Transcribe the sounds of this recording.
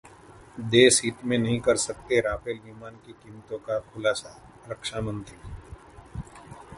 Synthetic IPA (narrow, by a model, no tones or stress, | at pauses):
d̪eːsiːt̪mẽnɐɦĩkɐɾsɐk̚t̪eɾaːpeliːmaːnkikiːmt̪õkakʰʊlaːsa | ɾɐkʃaːmə̃nt̪ɾi